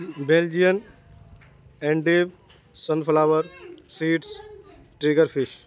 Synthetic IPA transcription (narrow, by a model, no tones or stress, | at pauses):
beːld͡ʒijən | eɳɖiːʋ | sənpʰlaːʋəɾsiːʈs | ʈɾiɡəɾpʰiʃ